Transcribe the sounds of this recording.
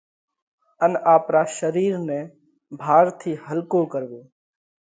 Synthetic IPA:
ənaːpɾaːʃəɾiːɾnɛ̃ː | bʱaːɾt̪ʰiːɦəlkoːkəɾʋoː

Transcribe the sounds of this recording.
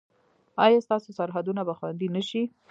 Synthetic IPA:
ɑjɑst̪ɑsosaɾɦad̪unabaxwand̪inəʃi

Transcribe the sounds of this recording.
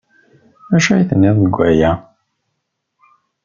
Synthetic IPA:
mæʃæjθənːɪðˤəɡʷæjæ

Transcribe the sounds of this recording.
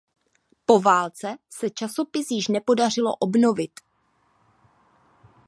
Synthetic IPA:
po̞vaːlt͡sɛsɛt͡ʃaso̞pɪsjɪʃnɛpo̞dar̝ɪlo̞̰ʔobno̞vɪt̪

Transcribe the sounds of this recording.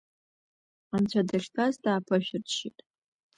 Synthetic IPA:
amt͡ɕʷʰadaʃʲtʰazdaːpʰɨʃᶣɪrʃitʼ

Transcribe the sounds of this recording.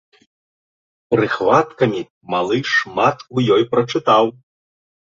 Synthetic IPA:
pɾɨxvat̪kɐmʲi | malˠɨʂmat̪ujɔjpɾɐt͡ʂɨt̪aw

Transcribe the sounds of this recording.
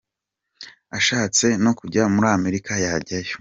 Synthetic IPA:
aʃaːt͡se̞no̞kuɟamuɾaːme̞ɾikʰajaɟajo

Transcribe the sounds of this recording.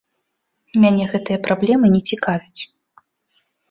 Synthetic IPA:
mʲanʲɛɣɛt̪ɨjɐpɾablʲɛmɨnʲɛt͡sʲikavʲut͡sʲ

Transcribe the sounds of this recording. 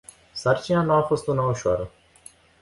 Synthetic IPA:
sart͡ʃinanuafo̞st̪unauʃoaɾə

